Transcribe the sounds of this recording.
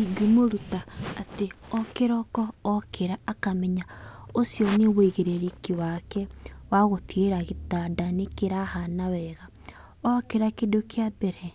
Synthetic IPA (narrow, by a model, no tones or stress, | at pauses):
iɡumoɾutaːteɔkeɾɔkɔːkʰeɾaːkamɛɲaosjɔneβoiɣeɾeɾekewakɛwaɣotieɾaɣetadanekeɾahanawɛɣa | ɔkeɾakedokʰeabɛɾɛ